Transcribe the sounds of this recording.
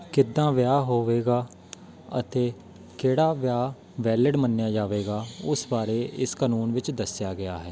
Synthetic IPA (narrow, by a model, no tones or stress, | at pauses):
kɪd̪ãːʋɪjaːɦoːʋeːɡaː | ə̰t̪eː | keːɽaːʋjaː | ʋɛːlɪɖmənːjaːd͡ʒaːʋeːɡaːʊsbaːɾeːʔɪskaːnuːnʋɪt͡ʃd̪əsjaːɡɪaːɦɛː